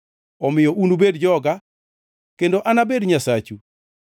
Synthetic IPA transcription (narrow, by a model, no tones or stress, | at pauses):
ɔmɪjɔʔunubedd͡ʒɔɡa | kendoʔanabedɲasat͡ʃu